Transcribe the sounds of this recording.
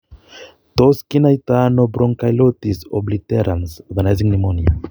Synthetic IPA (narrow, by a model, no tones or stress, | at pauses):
t̪ɔskinajt̪anobɾɔŋkajlot̪isɔblit̪ɛɾʔansɔɾɡanajzĩŋnimɔnia̰